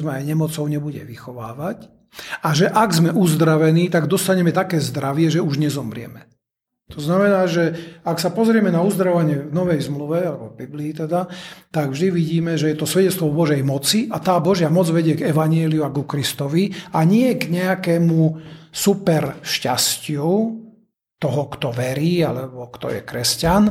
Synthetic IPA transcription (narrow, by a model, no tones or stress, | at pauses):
zmɛajɲɛmɔt͡sɔʊɲɛbuɟɛ̰ʋixɔʋaːʋac | aʒɛʔaɡzmɛʔuzd̪ɾaʋɛniːt̪aɡd̪ɔst̪aɲɛmɛt̪akɛːzd̪ɾaʋɪɛʒɛuʒɲɛzɔmɾɪɛ̰mɛ | t̪ɔznamɛnaːʒɛaksapɔzɾɪɛmɛnauzd̪ɾaʋaɲɪɛvnɔʋɛjzmluʋɛalɛbɔvbibliːt̪ɛd̪at̪aɡvʒd̪iʋiɟiːmɛʒɛjɛt̪ɔsʋɛɟɛt͡st̪ʋɔvbɔʒɛjmɔt͡siʔat̪aːbɔʒɪamɔd͡zʋɛɟɪɛɡɛʋaɲɪɛliuaɡukɾist̪ɔʋiaɲɪɛɡɲɛakɛːmusupɛɾʃcascɪu | t̪ɔɦɔkt̪ɔʋɛɾiːa̰lɛbɔkt̪ɔ̰jɛ̰kɾɛscan